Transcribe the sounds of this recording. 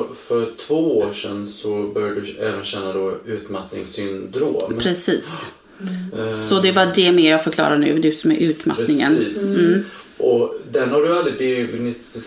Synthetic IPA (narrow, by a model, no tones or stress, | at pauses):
fœɾt̪ʰv̥oːoːʂɛnsɔbœɾjad̪ɵɛ̰ːvənɕɛnːad̪ɔʉ̟ːt̪mat̪nɪŋsʏnd̪ɾoːmpʰɾɛsiːs | sɔd̪ɛvaɖɛmeːɾjaːfœɾklɑ̰ːɾaɳʉ̟̰ːd̪ɵsɔmɛʔʉ̟ːt̪ma̰nɪŋə̰nːs̩ | ʔɔd̪ɛnhaɖɵald̪ɾɪd̪ɛnɪst̪ɪ